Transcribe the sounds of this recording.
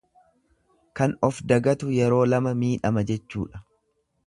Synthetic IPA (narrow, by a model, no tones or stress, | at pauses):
kɐnɔfd̪ɐɡɐt̪ʊjɛɾo̞ːlɐmɐmiːᶑɐmɐd͡ʒɛt͡ʃːuːᶑɐ̥